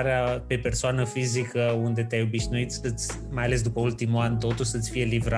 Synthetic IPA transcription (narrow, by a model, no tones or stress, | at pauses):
ɾeape̞pe̞rsoanəfizikəund̪e̞t̪eajo̞biʃnuit̪səɨt̪sʲ | majale̞s̬d̪upəult̪imulant̪o̞t̪uʃʲsəɨt̪sʲfije̞livɾa